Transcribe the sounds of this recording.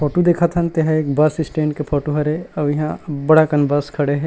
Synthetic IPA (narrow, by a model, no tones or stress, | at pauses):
pʰoːʈod̪eːkʰat̪ɦɐnt̪eɦãeːkbaːsɪsʈẽːɳɖkepʰoːʈoɦɐɾeɐbjɐɦãbɐɽakɐnbaːskʰɐɽeɦɛ̃ː